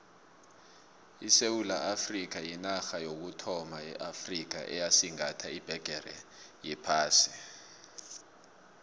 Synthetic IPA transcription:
isewulaʔafrik̬ajinaxajok̬utʰɔmajɛ̰ʔafrik̬a̰ʔɛ̰jasiŋatʰaib̥ʱɛɡ̥ʱɛrɛ̰jɛpʰaːsi̥

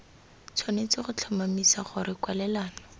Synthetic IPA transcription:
t͡sʰwanet͡sɪχʊt͡ɬʰɔmamisaχʊɾɪkwalɛlaːnɔ

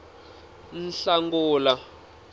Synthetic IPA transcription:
n̩ɬaŋɡuːla

